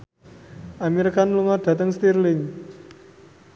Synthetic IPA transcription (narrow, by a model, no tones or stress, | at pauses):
ʔamiɾkanluŋɔrd̪̥ä̤t̪əŋst̪irlɪŋ